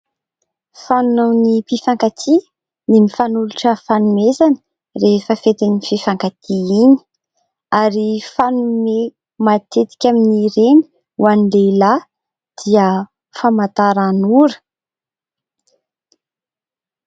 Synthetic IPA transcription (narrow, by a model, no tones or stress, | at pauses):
fanunawnipifaŋkat̪ʰi | nimifanuluʈ͡ʂəfanumezanə̥ | ɾefəfet̪inififaŋkat̪ʰiini̥ | aɾifanume | mat̪et̪i̥kʲaminiɾeni̥ | uanilela | d̪̥iə | famat̪aɾanuɾə̥